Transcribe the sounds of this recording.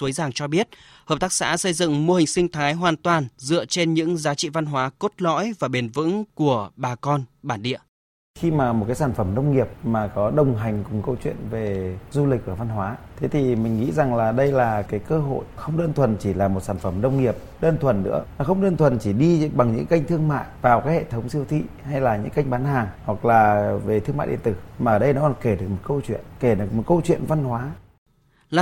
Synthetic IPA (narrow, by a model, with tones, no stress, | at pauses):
u˨˦jzaː˨˩ŋt͡ɕɔ˧ɓi˦˥ət̚ | həː˨˩p̚t̪aː˦˥k̚sa̰ː˧˥sə˧jzɨ̰˧˨ŋmo˧hï˨˩ŋ̟sï˧ŋ̟t̪ʰaː˨˦jɦwaː˨˩nt̪waː˨˩nzɨ̰˧˨ət͡ɕe˧nɲɨ̰˧˥ŋzaː˨˦t͡ɕḭ˧˨va˧nɦwaː˨˦ko˦˥t̚lɔ̰˧˥jvaː˨˩ɓe˨˩nvɨ̰˧˥ŋku˧˩əɓaː˨˩kɔ˧nɓaː˧˩nɗḭ˧˨ə | xi˧maː˨˩mo˨˩kaː˨˦jsaː˧˩nfə˧˩mnə˧wŋ͡mŋi˨˩əp̚maː˨˩kɔ˨˦ɗə˨˩wŋ͡mɦa˨˩jŋ̟kʊ˨˩ŋ͡mkə˧wt͡ɕwḭ˧˨ənve˨˩zu˧li˨˩k̚ʔəː˧˩va˧nɦwaː˨˦t̪ʰe˨˦t̪ʰi˨˩mï˨˩ŋ̟ŋḭ˧˥za˨˩ŋlaː˨˩ɗə˧jlaː˨˩kaː˨˦jkəː˧ɦo̰˧˨jxə˧wŋ͡mɗəː˧nt̪ʰwə˨˩nt͡ɕi˧˩laː˨˩mo˨˩t̚saː˧˩nfə˧˩mɗə˧wŋ͡mŋi˨˩əp̚ɗəː˧nt̪ʰwə˨˩nːɨ̰˧˥ə˨˩xə˧wŋ͡mɗəː˧nt̪ʰwə˨˩nt͡ɕi˧˩ɗi˧ɓa˨˩ŋɲɨ̰˧˥ŋka˧jŋ̟t̪ʰɨ˧əŋma̰ː˧˨jvaː˨˩wkaː˨˦jhḛ˧˨t̪ʰə˨˦wŋ͡msi˧əwt̪ʰḭ˧˨ha˧jlaː˨˩ɲɨ̰˧˥ŋka˧jŋ̟ɓaː˨˦nhaː˨˩ŋhwa˨˩k̚laː˨˩ve˨˩t̪ʰɨ˧ŋma̰ː˧˨jɗḭ˧˨nt̪ɨ˧˩maː˨ʔəː˧˩ɗə˧jnɔ˨˦kɔ˨˩ke˧˩ɗɨ˨˩ək̚mo˨˩t̚kə˧wt͡ɕwḭ˧˨ənke˧˩ɗɨ˨˩ək̚mo˨˩t̚kə˧wt͡ɕwḭ˧˨ənva˧nhwaː˨˦ | la˨˩